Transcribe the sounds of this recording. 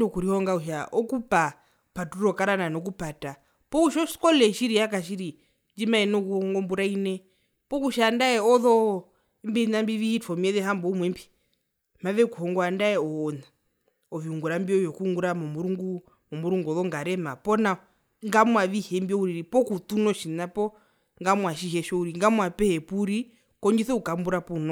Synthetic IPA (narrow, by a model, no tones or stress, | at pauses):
nɔkuɾihɔŋɡauʃ̬aʔɔkupa | patuɾɔkaɾananɔk̬upata | pɔuʃɔʃkɔlɛʃiɾijakaʃ̬iɾi | nd͡ʒimaɛnɔkuhɔɔŋɡɔmbuɾainɛ | pɔkuʃandaɛɔðɔ | mbɛinambiʋiːtʰɔmiɛðɛɦambɔumwɛmbi̥ | maʋɛkuhɔŋɡɔandaɛɔːna | ɔviuŋɡuɾambiɔjɔkuŋɡuɾamɔmuɾuŋɡu | mɔmuɾuŋɡuɔðɔŋɡaɾɛmapɔna | ŋɡamwaʋihɛmbiɔuɾiɾipɔkut̪unɔʃinapɔ | ŋɡamwaʃiɦɛʃɔuɾiŋɡamwapɛhɛpuɾi | kɔɲd͡ʒiθɛukambuɾapunɔ